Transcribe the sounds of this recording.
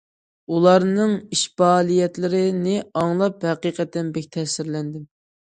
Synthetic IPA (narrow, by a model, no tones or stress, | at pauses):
ulˠɑɾnɨŋiʃbɑːlˠijɛt̪lɪɾɪnɪɑŋlˠɑphɛqiqət̪ːɛnbɛkʲt̪ʰɛsɪɾlɛnd̪ɪm